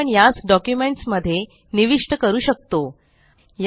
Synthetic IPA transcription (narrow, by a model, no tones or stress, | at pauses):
əɳjat͡sɖɔkjumeɳʈsməd̪ʱːje | niʋiʂʈəkəɾuːɕək̚t̪o | j